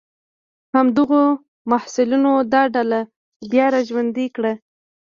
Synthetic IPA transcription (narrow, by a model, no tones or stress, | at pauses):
hamd̪əɣo | mahsɪlunod̪ɑɖala | bjɑɾaʒwand̪ikɽa